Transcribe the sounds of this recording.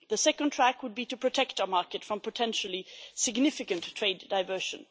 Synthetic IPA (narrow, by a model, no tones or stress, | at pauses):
ðɨsɛkə̃ntʰɹ̥ækwəd̚biɾɨpʰɹ̥ɨtʰɛk̚taʊəmɑɹkɨtfɹʌ̃mpʰətʰɛ̃nʃl̩ˠisɨɡnɪfɨkɨ̃ntʰɹ̥eɪdaɪvɜ˞ʃɨ̃n